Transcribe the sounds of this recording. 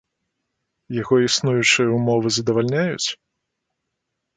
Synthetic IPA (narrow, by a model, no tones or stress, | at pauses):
jaɣɔisnujut͡ʂɨjɐumɔvɨzɐd̪ɐvalʲnʲajṵt͡sʲ